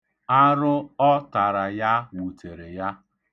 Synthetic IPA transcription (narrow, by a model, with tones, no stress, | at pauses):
a˦ɾʊ˦ɔ˦ta˨ɾa˨ja˦wu˨tʰe˨ɾe˨ja˦